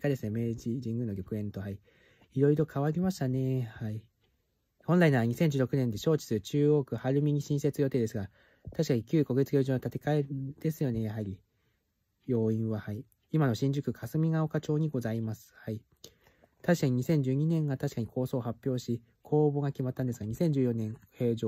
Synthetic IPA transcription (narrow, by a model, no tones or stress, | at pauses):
kad̪e̞sɨne̞me̞ːd͡ʑiʑĩŋɡɯ̟noɡʲo̞kɯ̟ẽ̞nt̪o̞ɦai | iɾo̞iɾo̞kʰaβaɾʲimaɕi̥t̪ane̞hai | hõ̞nɾainaβaɲ̟isẽ̞ɲ̟d͡ʑɨːɾo̞kɯ̟nẽ̞nd̪e̞ɕo̞ːt͡ɕi̥sɨɾɯ̟t͡ɕɨːo̞ːkɯ̟haɾɯ̟mʲiɲ̟iɕĩɰ̃se̞t͡sɨjo̞t̪e̞ːd̪e̞sɨɡa | t̪aɕi̥kaɲ̟ikʲɨːko̞ɡe̞t͡sɨɡʲo̞ːʑoːnot̪at̪e̞̥kae̞d̪̥e̞sɨjo̞ne̞jaɦaɾʲi | jo̞ːĩɰ̃βahai | imano̞ɕĩɲ̟d͡ʑɨkɯ̟kʰasɨmʲiŋao̞kat͡ɕo̞ːɲ̟iɡo̞zaimasɨ̥hai | t̪aɕi̥kaɲ̟iɲ̟isẽ̞ɲ̟d͡ʑɨːɲ̟inẽ̞ŋɡat̪aɕi̥kaɲ̟ikʰo̞ːso̞ːhapʲjo̞ːɕi | kʰo̞ːbo̞ɡakʲimat̪ːãnd̪esɨɡaɲ̟isẽ̞ɲ̟d͡ʑɨːjõ̞nẽ̞ŋhe̞ːʑoː